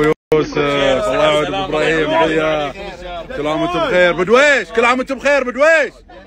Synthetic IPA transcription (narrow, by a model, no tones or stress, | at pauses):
juːsɪfɑlˤːɑːjaʕd̪fɪbɾˤɑːhijːamaʕɪjːa | kʊlːʕamɪt̪ʊbxeːɾbɪd̪weːʃkɪlːʕamɪt̪ʊbxeːɾbɪd̪weːʃ